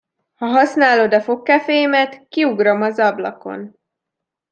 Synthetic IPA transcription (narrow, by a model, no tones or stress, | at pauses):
hɒɦɒsnaːlo̞d̪ɒfo̞kːɛfejmɛt̪kiuɡro̞mɒzɒblɒ̰ko̞̰n